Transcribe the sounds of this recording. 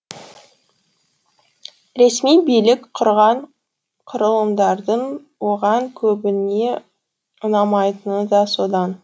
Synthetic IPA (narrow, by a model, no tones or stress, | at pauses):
ɾe̞smijbijlɪkqʰʊɾʁɑɴ | qʰʊɾəlˠəmd̪ɑɾd̪əɴ | wo̞ʁɑŋkʲʰɵbɪne̞ | ʊnɑmɑjt̪ənəd̪ɑso̞d̪ɑn